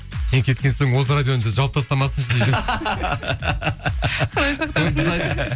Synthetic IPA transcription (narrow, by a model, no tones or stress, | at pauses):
sekʲʰe̞t̪kʲe̞nsoŋwo̞s̬əɾad̪ʲjonɑʒɑlˠp̚t̪ʰɑst̪ɑmɑsənɪʃɪd̪ʒe | qʰɑlˠɑjsɑqt̪obɪzɑj̪